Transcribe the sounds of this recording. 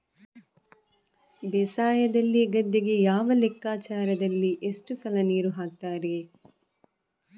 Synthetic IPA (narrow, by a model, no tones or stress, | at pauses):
bɛsaːjɐd̪ɐlːiɡɐd̪ːiɡe̞jaːʋɐlekːaːt͡ʃaːɾɐd̪ɐlːiʔeʂʈusɐlɐniːɾuɦaːk̚t̪aːɾe